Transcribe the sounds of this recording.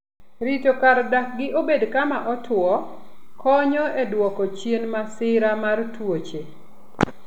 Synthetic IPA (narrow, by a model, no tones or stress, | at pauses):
ɾitokaɾdak̚ɡɪʔobedkamaʔɔtʰwɔkɔɲɔedwɔkɔt͡ʃjenmasɪɾamartwot͡ʃe